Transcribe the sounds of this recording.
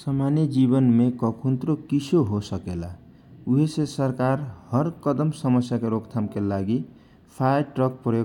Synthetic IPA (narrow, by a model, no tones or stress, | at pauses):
səmanjed͡ʒibənmekʌkʰunt̪ɾokisʰoɦosʌkela | uɦesesəɾkaɾhʌɾkʌd̪əmsʌmʌsjakeɾokt̪ʰamkelaɡi | pʰaʈɾʌk̚pɾjo